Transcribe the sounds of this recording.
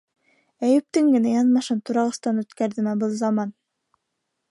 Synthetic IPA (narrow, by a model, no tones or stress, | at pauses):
æjɘ̆p̚t̪ɘŋɡɘ̆næjɑnmɑʃɤnt̪uɾɑʁɤ̆st̪ɑnʉt̪kæɾðɘ̆mæbɤlˠzɑmɑn